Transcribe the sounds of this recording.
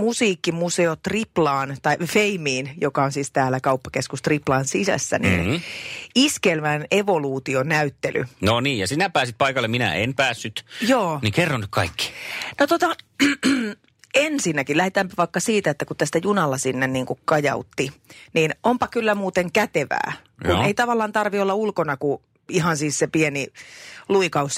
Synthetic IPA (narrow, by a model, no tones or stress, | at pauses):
musiːkːimuseot̪riplɑːnt̪ɑifeimiːnjokɑonsiːst̪æːlækɑupːɑkeskust̪riplɑːnsisæ̰sːæ̰nḭːn | iskelʋæneʋoluːt̪ionæyt̪ːely̰noniːjjɑsinæpæːsit̪̚pɑikɑlːeminæ̰enpæːsːyt̪joːnikerːɑnːyt̪kɑikːi̥not̪ot̪ɑ | ensinːækilæhet̪æːmpæʋɑikːɑsiːt̪æet̪ːækut̪t̪æst̪æjunɑlːɑsinːenniːŋkukkɑjɑ̰ut̪ːiniːnompɑkylːæmuːt̪eŋkæt̪eʋæ̰ː | jkṵeit̪ɑʋɑlːˑɑnt̪ɑrʋiolːɑulkonɑku | iɦɑnsiːssepieniluikɑus